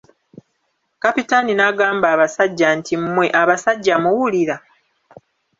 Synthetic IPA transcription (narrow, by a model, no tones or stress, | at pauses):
kapitaninaɡaːmbaːβasaɟːantimːwe̞ʔaβasaɟːamuwuliɾa